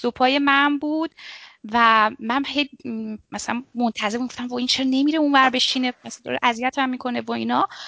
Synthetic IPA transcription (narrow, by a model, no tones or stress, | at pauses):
sopʰɒːje̞mænbuːd̪̥væmænhejmæsælænmont̪ʰæzeɾmiɡoft̪æmvɒint͡ʃʰeɾne̞miɾeunvæɾbe̞ʃinemæsd̪ɒ̰ɾḛʔæzijæt̪ʰæmːikʰo̞nevɒiːnɒ